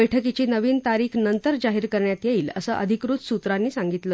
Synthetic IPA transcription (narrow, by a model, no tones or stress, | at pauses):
əjʈʰəkit͡ɕiːnəʋiːnt̪aɾiːkʰnənt̪əɾd͡zaɦiːɾkəɾɳjat̪jeiːlə̰sə̰ʔə̰d̪ʱikɾuːt͡ssut̪ɾanːiːsaŋɡit̪lə